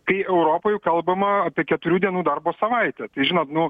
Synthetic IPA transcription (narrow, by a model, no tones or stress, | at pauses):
kɐɪɛʊɾoːpoːjɛkɐlˠbɐmɐɐpʲiɛkʲɛt̪ʊɾʲuːd̪ʲiɛnuːd̪ɐrboːsɐʋɐɪt̪ʲɛt̪ɐɪʒʲɪnoːt̪nʊ